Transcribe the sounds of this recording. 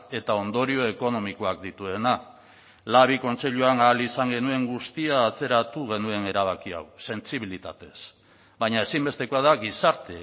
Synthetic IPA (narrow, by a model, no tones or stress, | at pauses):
e̞t̪ao̞nd̪o̞ɾio̞e̞ko̞no̞miko̞ak̚d̪it̪ue̞na | laβ̞iko̞nt͡se̞ʎuanaːlisaŋɡe̞nue̞ŋɡust̪iaːt͡se̞ɾat̪uɣ̞e̞nue̞ne̞ɾaβ̞akia̰wse̞nt͡siβilit̪at̪e̞s | βajɲae̞simbe̞st̪e̞koaðaɣisaɾt̪e